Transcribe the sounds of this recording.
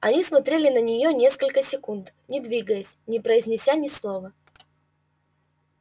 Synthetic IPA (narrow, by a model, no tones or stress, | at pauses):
ɐnʲismɐt̪ɾʲelʲɪnənʲɪjonʲe̞skəlʲkəsʲɪkunt̪ | nʲɪd̪vʲiɡəjəsʲnʲɪpɾəɪzʲnʲɪsʲanʲɪslˠovə